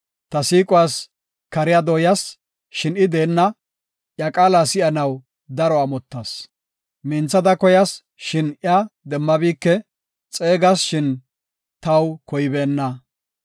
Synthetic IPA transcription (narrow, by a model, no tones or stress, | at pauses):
t̪ɐsiːkʼʊwaːs | kɐɾɪjɐd̪ɔːjɐs | ʃɪnɪd̪e̞ːnːɐ | ʔjɐkʼaːlasɪjɐnɐw | d̪ɐɾɔɐmɔt̪ːɐs | mɪnt͡sːɐd̪ɐkɔjɐs | ʃɪnʔjɐd̪ɛmːɐbiːkːɛ | t͡sʼe̞ːɡɐsʃɪn | t̪ɐwkɔjɪbe̞ːnːɐ